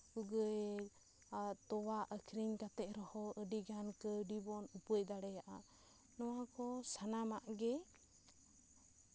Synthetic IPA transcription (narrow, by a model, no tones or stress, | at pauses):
uɡə | t̪ɔwaʔəkʰɾiŋkat̪ɛʔ̚ɾɔhɔəɖiɡankəɖibɔnupəj̚d̪aɽɛjaʔa | nɔwakɔsanamaʔɡɛ